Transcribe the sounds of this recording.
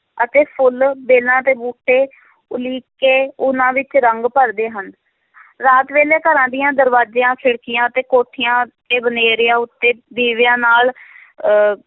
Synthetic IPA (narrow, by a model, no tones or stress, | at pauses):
ət̪eːpʰʊlbeːlãːt̪eːbuːʈːeː | ʊliːkːeːʊnãːʋɪt͡ʃɾəŋɡpəɾd̪eːɦən | ɾaːt̪ʋeːleːkəɾãːd̪ɪjãːd̪əɾʋaːd͡ʒeːãːsʰɪɽkɪjãːət̪eːkoːʈʰːɪjãːt̪eːbəneːɾɪjãːʊt̪ːeːb̪iːʋjãːnaːl